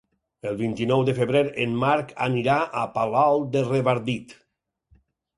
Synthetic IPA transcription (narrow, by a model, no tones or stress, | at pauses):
elˠβint̪inɔwd̪efeβɾeɾenmaɾka̰niɾaʔapalalˠd̪ereβaɾd̪it̪